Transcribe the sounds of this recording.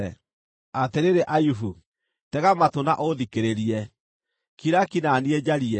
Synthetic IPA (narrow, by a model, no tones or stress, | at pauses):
ɛ | ateɾeɾeʔajufu | tɛɣamatonaʔoðikeɾeɾiɛ | kiɾakinanied͡ʑaɾiɛ